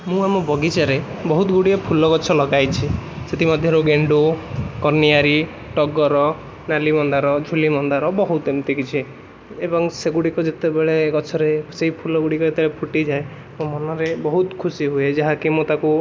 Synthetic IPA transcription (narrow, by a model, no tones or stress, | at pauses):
mũamɔbʱɔɡit͡ʃaɾebɔɦut̪ɡuɽiepʰulɔkɔt͡ʃʰɔlɔɡajt͡ʃʰiset̪imɔd̪ʱjɔɾuɡeɳɖokɔɾniaɾi | ʈɔɡɔɾɔ | nalimɔnd̪aɾɔd͡ʒʱulimɔnd̪aɾɔbɔɦut̪emt̪ikit͡ʃʰi | ebɔŋseɡuɽikɔd͡ʒet̪ebeɭekɔt͡ʃʰɔɾeseipʰulɔɡuɽikɔet̪ebeɭepʰuʈid͡ʒae | momɔnɔɾebɔɦut̪kʰusiɦued͡ʒaɦãkimũt̪aku